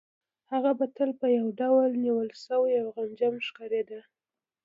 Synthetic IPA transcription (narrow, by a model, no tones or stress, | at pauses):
haɣabat̪əlpəjawɖawlniwəlsəwajawɣand͡ʒamʃkaɾed̪a